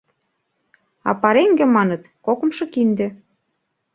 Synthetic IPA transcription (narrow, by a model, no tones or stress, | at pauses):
ɑ̰pɑɾeŋɡĕmɑnɤ̆t̪kokɤ̆mʃɤ̆kind̪ĕ